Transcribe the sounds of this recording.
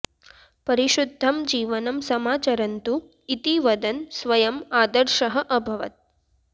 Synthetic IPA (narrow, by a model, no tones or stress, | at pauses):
pɐɾiʃud̪ʱːɐmd͡ʒiːʋɐnɐmsɐmaːt͡ʃɐɾɐnt̪u | it̪iʋɐd̪ɐnsʋɐjɐmaːd̪ɐɾʃɐɦɐʔɐbʱɐʋɐ̰t̪̚